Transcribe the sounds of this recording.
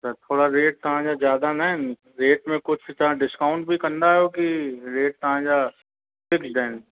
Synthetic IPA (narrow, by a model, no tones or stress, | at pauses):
ɐt͡ʃat̪ʰoːɽaɾeːʈ̚t̪ɐɦãd͡ʒazjaːd̪anaen | ɾeːʈmẽkʊt͡ʃʰt͡ʃaɖɪskaʊ̃ɳʈ̚bʱikɐ̃nd̪aokiɾeːʈ̚t̪ɐɦãd͡ʒa | fɪksd̪ɛ̃ːn